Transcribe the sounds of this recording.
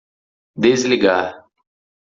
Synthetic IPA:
d̪izliɡaː

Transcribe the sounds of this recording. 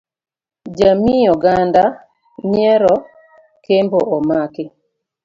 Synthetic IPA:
d͡ʒamijɔɡanda | ɲjɛɾɔ | kemboʔɔmakɪ

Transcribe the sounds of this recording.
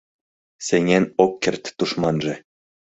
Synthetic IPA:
seŋʲenokːert̪ːuʃmɑnʒĕ

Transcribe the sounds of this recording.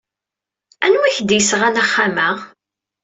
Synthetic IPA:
ænwiçd̪jəsʁænaχːamæ

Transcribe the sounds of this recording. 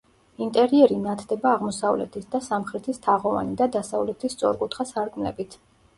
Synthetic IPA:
int̪ʼɛɾiɛɾinat̪ʰd̪ɛbaːʁmɔsavlɛ̰t̪ʰisd̪asamχɾɛt̪ʰist̪ʰaʁɔva̰nid̪ad̪asavlɛt̪ʰist̪sʼɔ̰ɾkʼut̪ʰχasaɾkʼmlɛ̰bit̪ʰ

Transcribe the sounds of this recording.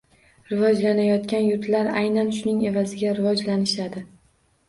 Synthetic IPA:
ɾɪvɒd͡ʒlanajɒt̪kʲanjʊt̪ʰlaɾajnanʃʊnɪŋe̞vazɪɡʲaɾɪvɒd͡ʒlanɪʃad̪ɪ

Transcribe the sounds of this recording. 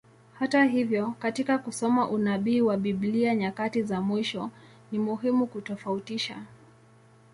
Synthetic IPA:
hataɦivjɔkatikakusɔmaʔunaɓiːwaɓiɓliaɲakatizamwiʃɔ | nimuɦimukutɔfautiʃa̰

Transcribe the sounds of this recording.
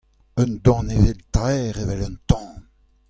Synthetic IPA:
œnd̪ɔ̃nevelt̪ʁɛːʁevɛlœnt̪ɑ̃

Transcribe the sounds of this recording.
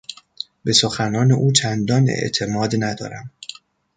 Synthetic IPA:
be̞soxænɒːne̞ʔuːt͡ʃʰænd̪ɒːne̞̰ʔt̪ʰe̞mɒːd̪næd̪ɒ̰ːɾæm

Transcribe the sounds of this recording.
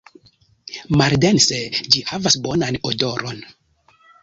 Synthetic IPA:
maldensed͡ʒihavasbonanodo̞ɾo̰n

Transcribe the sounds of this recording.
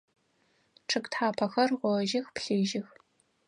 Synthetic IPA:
ʈ͡ʂʰɨktħaːpʰɐxɐrʁʷɔʒɪxpɬiːʒɪx

